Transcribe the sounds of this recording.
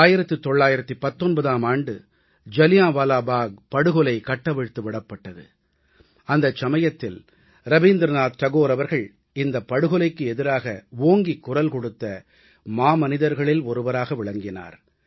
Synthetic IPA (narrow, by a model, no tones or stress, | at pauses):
aːjɪɾɐt̪ːɯt̪ːɔɭːaːjɪɾɐt̪ːɯpɐt̪ːɔnbɐðaːmaːɳɖɯ | d͡ʒɐlɪjãːʋaːlaːbaːɡ̚pɐɽɯɣɔlɐɪkɐʈːɐʋɛɻt̪ːɯʋɪɽɐpːɐʈːɐðɯ̰ | ɐnd̪ɐt͡ʃːɐmɐjɐt̪ːɪl | ɾɐʋiːnd̪ɾnaːd̪t̪ɐɣoːɾɐʋɐɾɣɐɭ | ɪnd̪ɐpːɐɽɯɣɔlɐɪkːɯɛðɪɾaːɣɐʋoːŋɡikːʊrɐlkɔɽɯt̪ːɐ | maːmɐnɪðɐɾɣɐɭɪlɔɾɯʋɐɾaːɣɐʋɪɭɐŋɡɪna̰ːɾ